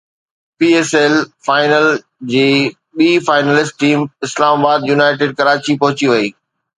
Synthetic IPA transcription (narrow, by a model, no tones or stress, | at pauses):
piːeːselfaːɪnəl | d͡ʑeː | ɓiːfaːɪnəlɪsʈʈiːmɪslaːmabaːd̪juːnaːɪʈɪɖ̚kɐɾaːt͡ɕipɐɦʊt͡ɕiʋɐiː